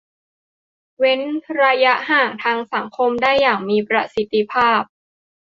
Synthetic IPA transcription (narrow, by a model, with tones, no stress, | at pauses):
we˦˥nɾaː˧ja˦˥ɦaː˨˩ŋt̪ʰaː˧ŋsa˩˦ŋkʰo˧mdaː˥˩jːaː˨˩ŋmiː˧pɾa˦˧si˨˦t̪ːi˧pʰaː˥˩p̚